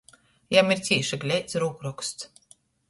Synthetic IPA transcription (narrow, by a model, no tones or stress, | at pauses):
jamiɾt̪ʲiɛʃaɡlʲɛjt̪sɾuːkɾɔkst̪s